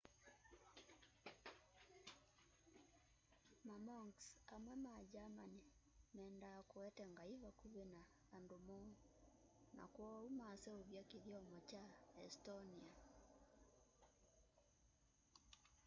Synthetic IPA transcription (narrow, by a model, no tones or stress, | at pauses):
mamɔŋksamwɛmad͡ʒamanemɛːndakoɛtɛŋɡaiβakuβenaː | ndomɔ | na̰kwɔumaːsɛoβjakeðjɔmɔt͡ʃaɛstɔnia